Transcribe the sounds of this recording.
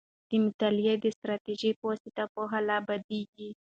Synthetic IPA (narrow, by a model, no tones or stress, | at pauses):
d̪̥əmɪt̪aljed̪əst̪ɾɑt̪iʒipwasit̪apoɦalabad̪eɡi